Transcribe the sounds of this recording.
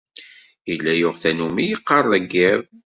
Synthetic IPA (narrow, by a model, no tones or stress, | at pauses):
ilːæjʊʁθænumijəqːɑrˤəɡːɪðˤ